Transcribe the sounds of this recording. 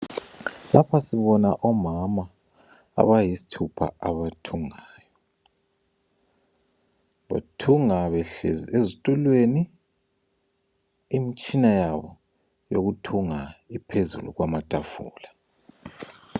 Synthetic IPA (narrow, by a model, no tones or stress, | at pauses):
lapʰasiβɔnaʔɔmama̰ː | βajisi̥tʰupʰa̰aβatʰuŋaːjɔ | βa̰tʰuŋaβɛɬḛziezitʼulweni | mit͡ʃʼinajaβɔ | joɣutʰuŋaipʰezṵlṵɣwamatʼafṵːla